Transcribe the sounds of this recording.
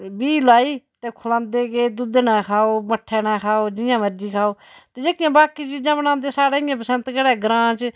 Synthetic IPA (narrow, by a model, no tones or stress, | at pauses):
biːlaːiːt̪eːkʰʊləmd̪eːɡeːd̪ʊd̪nãːkʰaːoːməʈʰːɛːnãːkʰaːoːd͡ʒɪjãːməɾd͡ʒiːkʰaːoː | t̪eːd͡ʒeːkɪjãːbaːkːiːt͡ʃiːd͡ʒãːbənãːnd̪eːsaːɽeːɪjãːpəsə̃nt̪kəɽɛːɡɾãːt͡ʃ